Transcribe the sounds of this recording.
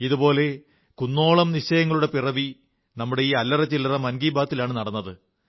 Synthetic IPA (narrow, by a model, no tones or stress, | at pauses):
iðubo̞ːle̞ | kunːo̞ːɭɐmniɕɐjɐŋːɐɭuɽe̞pirɐʋi | nɐmːuɽe̞iːɐlːɐrɐt͡ɕːilɐrɐmɐnɡiːbaːt̪ːilaːɳɨnɐɽɐnːɐðɨ